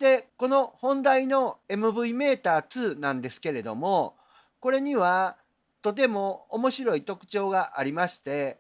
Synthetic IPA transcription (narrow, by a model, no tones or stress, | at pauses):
t̪e̞ko̞no̞hõ̞nd̪aino̞e̞mɯ̟bɯ̟ime̞ːt̪aːt͡sɨːnãnd̪e̞sɨ̥ke̞ɾe̞d̪o̞̰mo̞ | ko̞ɾe̞ɲ̟iβa | t̪o̞t̪̬e̞mo̞ːmo̞ɕiɾo̞it̪o̞kɯ̟̥t͡ɕo̞ːɡaʔaɾʲimaɕi̥t̪e̞